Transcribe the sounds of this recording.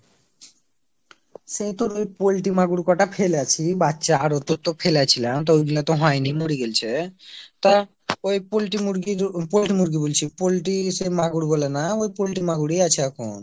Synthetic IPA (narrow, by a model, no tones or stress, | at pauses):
sejt̪oɾojpolʈimaɡuɾkɔʈapʰelat͡ɕʰibatːʃaaɾot̪ot̪opʰelat͡ɕʰilamt̪ojɡilat̪oɦɔjnimoɽiɡelt͡ɕʰet̪a | ojpolʈimuɾɡiɾpolʈimuɾɡibolt͡ɕʰipolʈisemaɡuɾbɔlenaojpolʈimaɡuɽiat͡ɕʰeɛkʰon